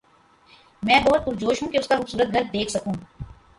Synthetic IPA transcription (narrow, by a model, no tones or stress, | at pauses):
mɛ̃ːbɐɦʊt̪̚kʊɾd͡ʒoːʃɦũkeʊskaxuːbsuːɾət̪̚ɡʱɐɾt̪̚d̪eːkʰsɐkũː